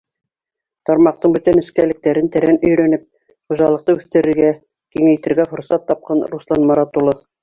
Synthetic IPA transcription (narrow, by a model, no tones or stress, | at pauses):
t̪ɑɾmɑq̚t̪ɤɴbɵt̪ænɘ̆skælɘ̆k̚t̪æɾɘnt̪æɾænɵ̆jɾænɘp̚ | χuʒɑlˠɤ̆qt̪ɤʉθt̪ɘ̆ɾɘ̆ɾɡæ | kiŋæjt̪ɘ̆ɾɡæfŏɾsɑt̪ːɑp̚qɑnruslˠɑnmɑɾɑt̪ulˠof